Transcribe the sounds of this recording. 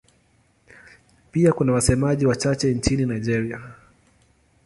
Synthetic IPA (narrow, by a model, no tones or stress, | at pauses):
piakunawasɛmaʄiwat͡ʃat͡ʃɛnt͡ʃininaid͡ʒɛɾia